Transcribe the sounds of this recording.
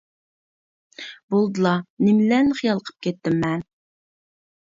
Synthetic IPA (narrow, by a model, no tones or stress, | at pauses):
bolˠd̪ɨlˠɑnɪmlɛnχijɑlˠəqʰə̥p̚kʲʰɛt̪ːɪmːɛn